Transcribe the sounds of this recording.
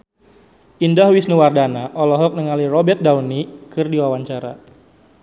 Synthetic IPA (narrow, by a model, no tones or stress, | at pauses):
indahwisnəwardanaʔɔlɔɦɔk̚nəŋalirɔbɛrt̪̚dawnikɨrdiwawaɲt͡ʃaɾa̰